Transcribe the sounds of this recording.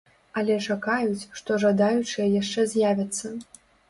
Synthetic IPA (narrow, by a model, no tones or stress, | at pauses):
ɐlʲɛt͡ʂakajut͡sʲʂt̪ɔʐad̪ajut͡ʂɨjɛjaʂt͡ʂɛzʲjavʲɐt̪sːɐ